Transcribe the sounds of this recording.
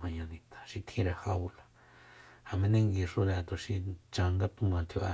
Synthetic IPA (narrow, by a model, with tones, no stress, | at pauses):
mã˧ɲã˧nĩ˧t̪ʰḁ˧ʃi˧t̪ʰĩ˧ɾa˧ha˧u˧la˧ | ha˧˨mẽ˧nẽ˦˧ŋɡi˧ʂo˧ɾa˧t̪o˧ʃi˧t͡ʃã˧ŋɡa˦t̪ũ˧mã˧t̪ʰo˧ʔa˧